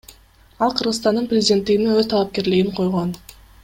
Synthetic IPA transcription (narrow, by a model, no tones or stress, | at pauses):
ɑlˠqʰɯɾʁɯzt̪ɑnd̪ɯnprʲɪzʲɪdʲe̞nt̪ːiɡiniŋøzt̪ʰɑlˠɑp̚ke̞ɾlɪɡiɴqʰo̞jʁon